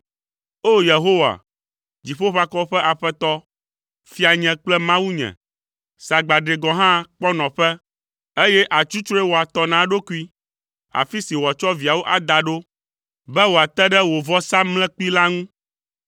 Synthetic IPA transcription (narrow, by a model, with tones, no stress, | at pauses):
o˦je˨ɦo˦wa̰˨ | d͡ʑi˨ɸo˦ɸa˦kɔ˦ɸɛ˦ʔa˨ɸɛ˦t̪ɔ˦ | fi˦a˨ɲɛ̃˨k͡plɛ˦mã˦wu˦ɲɛ̰̃˨ | sa˨ɡ͡ba˨ɖe˨ɡɔ̃˨ɦã˦k͡pɔ˦nɔ̃˨ɸɛ˦ | e˦jɛ˦ʔa˨t͡ʃu˦t͡ʃɾo˦ɛ˦wo˨a˨t̪ɔ˨nã˨ɖo˦ku˦i˦ | a̰˨fi˦si˨wo˨a˨t͡ʃɔ˦vi˨a˨wo˦ʔa˨d̪a˨ɖo˦ | bɛ˦wo˨a˨t̪ɛ˦ɖɛ˦wo˨vɔ˦sa˦mlɛ̃˦k͡pi˦la˦ŋũ˦